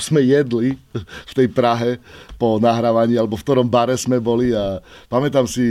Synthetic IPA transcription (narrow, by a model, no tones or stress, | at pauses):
z̥mɛjɛd̪lift̪ɛjpɾaɦɛpɔnaɦɾaːʋaɲiːalɛbɔfk̚t̪ɔɾɔmbaɾɛzmɛbɔliapamɛt̪amsi